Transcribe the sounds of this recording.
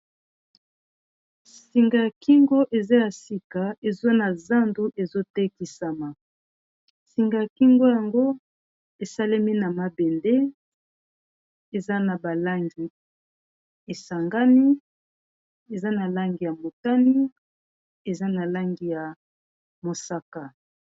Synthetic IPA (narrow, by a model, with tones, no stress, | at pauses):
si˨ŋɡa˨ja˨ki˦ŋɡo˦ʔe˨za˦ja˨si˨ka˨e˨zo˦na˨za˦ndu˦ʔe˨zo˦te˦ki˨sa˨ma˨ | si˨ŋɡa˨ja˨ki˦ŋɡo˦ja˨ŋɡo˦ | e˨sa˦le˦mi˦na˨ma˨be˨nde˦ | e˨za˦na˨ba˨la˦ŋɡi˨ | e˨sa˨ŋɡa˦ni˦ | e˨za˦na˨la˦ŋɡi˨ja˨mo˨ta˦ni˦ | e˨za˦na˨la˦ŋɡi˨ja˨ | mo˨sa˦ka˨